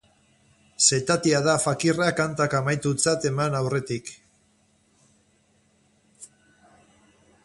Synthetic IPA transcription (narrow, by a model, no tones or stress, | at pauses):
se̞t̪at̪iaðafakirakant̪akamajt̪ut͡sat̪e̞manawre̞t̪ik